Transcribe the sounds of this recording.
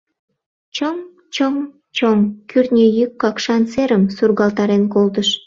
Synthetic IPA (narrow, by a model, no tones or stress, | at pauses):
t͡ɕəm | t͡ɕəm | t͡ɕomkyrnʲejykːɑkʃɑnt͡seɾəmsurɣɑlt̪ɑɾenkolt̪əʃ